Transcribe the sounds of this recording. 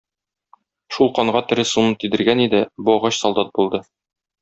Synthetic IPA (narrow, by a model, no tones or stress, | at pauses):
ʃulˠqɒɴʁɑt̪ɘ̆ɾɘsumɤt̪id̪ɘ̆ɾɡænid̪ɘbuɒʁɑɕsɒlˠd̪ɑt̪̚bulˠd̪ɤ